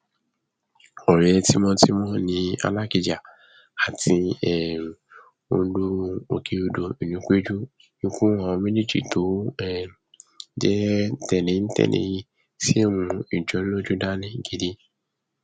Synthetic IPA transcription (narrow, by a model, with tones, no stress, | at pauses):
ɔ˨ɾ̃ɛ̃˨ɛ˧ti˦mɔ̃˦ti˦mɔ̃˦nĩ˧a̰˧la˦ki˧d͡ʒa˨ | a˨tĩ˧ɛ˨ | o˧˦dũ˦˧o˨kʰe˨˦o˧do˧i˨nũ˨˦k͡pe˦d͡ʒu˦ | ĩ˧˦kũ˦a˨ɔ̃˧mĩ˦ni˦˨d͡ʒḭ˨to˨˦ɛ˦ | d͡ʒɛ˦tɛ˨nẽ˨˦n̩˦tɛ̰˦˨nḛ̃˧˨ji˧ | si˦e˦˨mũ˧i˨d͡ʒɔ˨˦n̩˦lo˦d͡ʒu˦da˦nĩ˦˨ɡe˦di˦